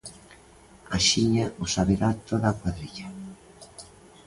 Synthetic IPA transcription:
aʃiɲaʊsaβeɾat̪oðakwaðɾiʎa

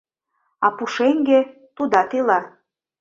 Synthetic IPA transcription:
ɑpuʃeŋɡe | t̪ud̪ɑt̪ilɑ

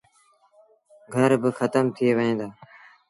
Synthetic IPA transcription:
ɡʱəɾbɪxət̪əmt̪ʰɪeːʋəɦẽːd̪aː

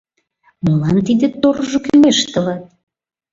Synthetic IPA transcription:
məlɑnt̪id̪ĕt̪oɾʒokymeʃt̪ə̆lɑt̪̚

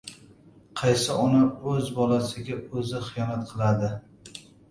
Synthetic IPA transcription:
qʰɑjsɪʔɒnaɵzbɒlasɪɡʲaɵzɪχɨjɒnat̪qʰɨlˠad̪ɪ

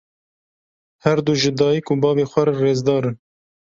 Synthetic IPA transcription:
hɛɾd̪uʒɨd̪ɑːjikuːbɑːveːxʷɛɾɨɾeːzd̪ɑːɾɨn

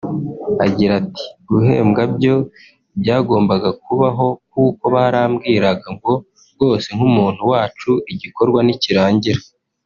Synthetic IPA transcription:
aɟiɾati̥ɡuɦe̞̰ːmɡabɟo̞ | bjaːɡo̞ːmbaɡak̚uβaɦo̞k̚uːko̞βaɾaːmɡiːɾaɡaŋɡo̞ | ɾɡo̞ːse̞ŋ̥umuːn̥huwaːt͡ʃuʔiɟiko̞ɾɡwaniciɾaːɲɟiɾa

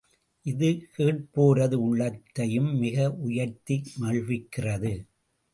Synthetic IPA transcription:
ʔɪðɯkeːʈ̚poːɾɐðɯʊɭːɐt̪ːɐjɯmːɪɣɐʔʊjɐɾt̪ːimɐɻʋɪkːɪrɐðɯ

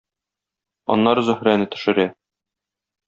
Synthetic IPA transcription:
ɒ̰nːɑɾzɵ̆hɾænɘt̪ɵ̥̆ʃɘ̆ɾæ

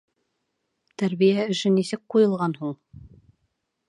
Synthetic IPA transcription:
t̪æɾβijæɵ̆ʃɘnisɘk̚qujɤ̆lˠʁɑnhuɴ

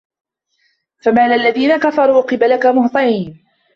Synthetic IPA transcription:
famaːlɪlːaðiːnakafɑɾˤuːʔqɨbalakamʊht̪ˤɑʕiːn

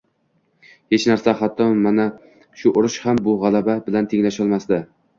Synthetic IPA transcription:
he̞t͡ʃnaɾsahat̪ʰːɒmana | ʃʊʔʊɾʊʃhambʊʁalˠababɪlant̪ʰeŋlaʃɒlˠmasd̪ɪ

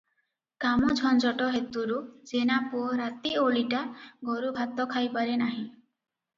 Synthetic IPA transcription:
kamɔd͡ʒʱɔnd͡ʒɔʈɔɦet̪uɾud͡ʒenapɔɾat̪ioɭiʈaɡoɾubʱat̪ɔkʰajpaɾenaɦĩ

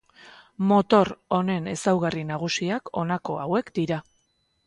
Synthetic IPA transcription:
mo̞t̪o̞ɾo̞ne̞ne̞sawɣarinaɣ̞usiako̞nako̞a̰we̞kd̪iɾa

